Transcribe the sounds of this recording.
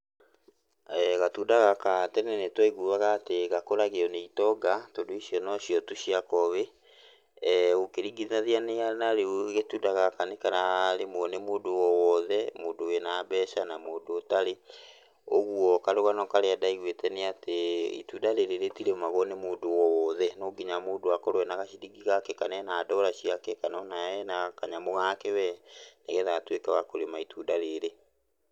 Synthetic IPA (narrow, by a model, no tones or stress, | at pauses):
ɛɣatudaɣakatɛnɛnetwaiɣuːβaɣaːteɣakoɾaɣeɔneitɔɡatodoisjɔnɔɕiɔtuɕiakɔβe | ɣokeɾiɡiðiaðianeanaɾeoɣetuːdaɣakanekaɾaɾemɔnemoːdowɔwɔðɛmoːdowenaːbɛːʃanamoːdoːtaɾe | oɣuɔkaɾoɣanɔkaɾeadaiɣwetɛneateḭtudaɾeɾeɾetiɾemaɣɔnemoːdowɔwɔðɛnoɡiɲamoːdoakɔɾowɛnaɣaʃidiɡiɣakɛkanɛnaːdɔɾaɕiakɛkanɔnaɛnakaɲamoɣakewɛneɣɛðatwekaɣakoɾemaitʰudaɾeɾe